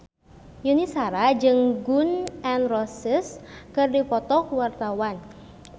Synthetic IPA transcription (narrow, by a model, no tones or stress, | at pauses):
junisaɾad͡ʒɨŋɡunɛnrɔsəskɨrdipɔt̪ɔkuwart̪awan